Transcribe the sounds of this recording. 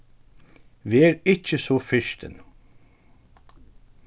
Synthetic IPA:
ʋɛːɾɪt͡ʃːəsɔfɪʃt̪ə̰n

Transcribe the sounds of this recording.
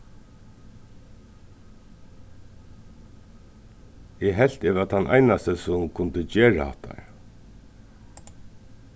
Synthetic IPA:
ɛɦɛl̥t̪eːvat̪ʰanʔa̰jnast̪əsʊmkʰʊnt̪ət͡ɕeːɹa̰ha̰ht̪ʰːa̰ɹ

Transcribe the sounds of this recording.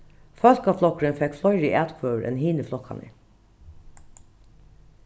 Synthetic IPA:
fœlkɑflɔkəɾənfɛkflɔʏɹiːʔæt̪kʰœːʋəɾʔḛːnhiːnəflɔkhɑ̰nḭ

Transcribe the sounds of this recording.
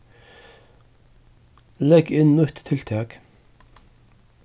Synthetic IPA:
lɛɡɪnnʊt̪t̪ʰɪlt̪ʰɑːk

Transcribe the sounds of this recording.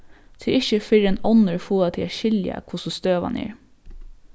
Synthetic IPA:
t̪ʰɪɾɪçəfɪɾɛnɔnəɹfuːat̪ʰɪlaʃɪlja̰kʰvʊsɔst̪øːʋa̰nʔɛ̰ːɹ

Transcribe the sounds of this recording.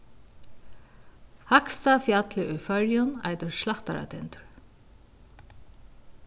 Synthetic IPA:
hakst̪afjat̪lɪʔʊjfœɹjʊna̰jt̪ʏɹslaht̪a̰ɾa̰t̪ʰɛnt̪ʏɹ̥

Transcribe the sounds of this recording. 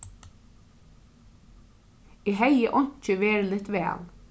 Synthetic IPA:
iɦɛjəʔɔɲ̥t͡ʃəʋɛːɾəlɪt̪ʋɛ̰ːl

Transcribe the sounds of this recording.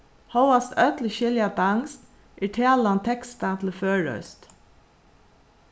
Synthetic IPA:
hoʊɑst̪œt̪lɪʃɪljɑt̪əɑŋst̪ | ʔiːʈʰeːlɑnt̪ʰɛkst̪ɑt̪ʰl̩føːɹœ̰ʏst̪

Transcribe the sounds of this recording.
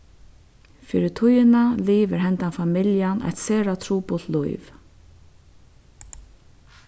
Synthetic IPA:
fiːɾɪt̪ʰʊjɪnaliːvɪɾɦɛnt̪anfamɪljanʔa̰jt̪seːɾat̪ʰɾuːpʊlt̪lujv

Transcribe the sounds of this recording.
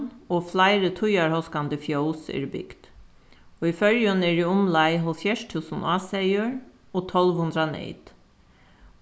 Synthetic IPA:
oːflæɪɾət̪ʰʊjɑɾhɔskand̪əfjoʊsḛːɾbʏ̰ɡ̥d̪̥ | oːiːfœɾjəneːɾiːʊmlæɪɦɔlfjæʂt̪ʰʉːsn̩ʔɑːseɪəɹ | oːt̪ʰɔlʋhʉnd̪ɾɑnḛɪd̪̥

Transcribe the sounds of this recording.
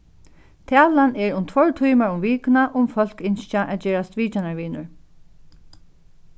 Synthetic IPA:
t̪ʰæːlanɛɹʊmt̪ʰʋɔɹt̪ʰujmaɹʊmviːknaʔʊmfœl̥kɪnʃt͡ʃaʔɛðd͡ʑeːɾast̪ʋiːt͡ɕanaɹʋiːnʊɹ

